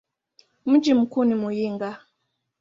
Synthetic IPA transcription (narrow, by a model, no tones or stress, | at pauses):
m̩d͡ʒim̩kunimujiŋɡa